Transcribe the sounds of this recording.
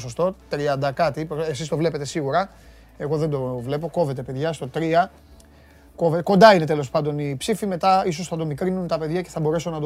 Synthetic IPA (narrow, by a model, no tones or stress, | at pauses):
sost̪o̞t̪ɾiɐnd̪ɐkɐt̪ipɾoesist̪o̞vle̞pe̞t̪e̞siɣuɾɐ | e̞ɣo̞ðend̪o̞vle̞p̬o̞ko̞ve̞t̪e̞pe̞ðʝɐst̪o̞t̪ɾiɐ | ko̞veko̞nd̪ɐine̞t̪̬e̞lo̞spɐnd̪o̞nipsifime̞t̪ɐiso̞sθɐt̪o̞mikɾinunt̪ɐpe̞ðʝɐce̞θɐbo̞ɾe̞sonɐd̪